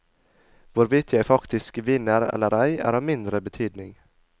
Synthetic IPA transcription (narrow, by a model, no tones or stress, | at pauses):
voːɾvɪt̪ʰjaæfakt̪ʰɪskvɪnːəɾɛ̰lːəɾajæ̰ɾɑvmɪnd̪ɾəbɛt̪ʰyːd̪nɪŋ